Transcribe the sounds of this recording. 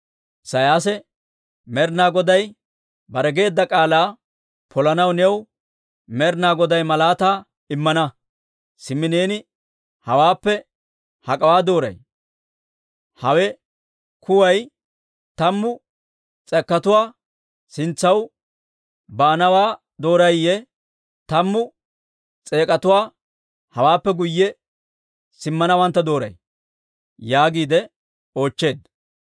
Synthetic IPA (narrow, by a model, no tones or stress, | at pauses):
sɐjaːs̬ɛ | mɛɾnaːɡɔd̪ɐj | bɐɾɛɡe̞ːd̪ːɐkʼaːlaː | pʰɔlɐnɐwnɛw | mɛɾnaːɡɔd̪ɐjmɐlaːt̪aː | ɪmːɐnɐ | sɪmːɪneːnɪ | hɐwaːpːɛ | hɐkʼɐwaːd̪o̞ːɾɐ̰j | hɐwɛ | kʊwɐj | t̪ɐmːʊ | t͡sʼɛkːɐt̪ʊwaː | sɪnt͡sːɐw | baːnɐwaː | d̪o̞ːɾɐjjːɛ | t̪ɐmːʊ | t͡sʼe̞ːkʼɐt̪ʊwaː | hɐwaːpːɛɡʊjːɛ | sɪmːɐnɐwɐnt̪ːɐd̪o̞ːɾɐ̰j | jaːɡiːd̪ɛ | o̞ːt͡ʃːe̞ːd̪